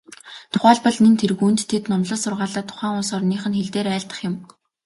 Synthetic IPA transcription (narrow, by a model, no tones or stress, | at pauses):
t̪ʰʊ̥χæːɮpɔ̆ɮnĕnt̪ʰerɣuːnt̪ːʰet̪nɔmɮə̆ɮsʊrʁaːɮaːt̪ʰʊ̥χæːŋʊsɔːrniːχɘ̆nxeɮt̪eːɾæːɮt̪ə̥̆χjɪ̆m